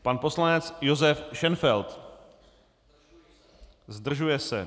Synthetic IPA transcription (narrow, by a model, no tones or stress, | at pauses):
panpo̞slanɛt͡sjozɛfʃɛnfɛlt̪ | zd̪r̩ʒujɛsɛ̰